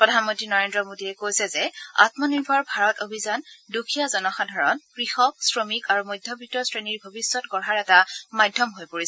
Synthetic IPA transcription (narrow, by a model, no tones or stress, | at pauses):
pɹɔdʱanmɔntɹinɔɹendɹɔmodiɛkojsɛzɛa̰tmɔniɹbʱɔɹbʱaɹɔtobʱizandukʰijazɔnɔxadʱaɹɔnkɹixɔk̚sɹomikaɹumojdʱjɔbʱitːɔsɹeniɹbʱɔbisːɔtɡɔɹɦaɹɛtamajdʱːɔmɦojpoɹisɛ